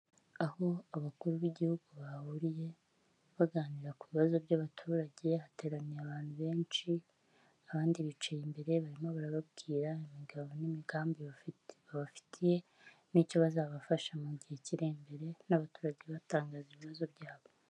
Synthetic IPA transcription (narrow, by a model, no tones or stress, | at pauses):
aho̞aβakuɾuβiɟihuɡuβahuɾije̞ | βaɡaːniɾakuβiβazo̞bɟaβatʰuːɾaɟe̞ate̞ːɾanijaβaːnhuβe̞ːnt͡ʃi | aβaːndiβit͡ʃejimbe̞ɾe̞βaɾimo̞βaɾaβabɡiːɾaimiɡaβo̞nimiɡaːmbiββaβafi̥tʰije̞ | niːco̞βazaβafaʃamuɟiheciɾembe̞ɾe̞naβatuːɾaɟe̞βataːŋɡaːziβiβazo̞bɟaːβo̞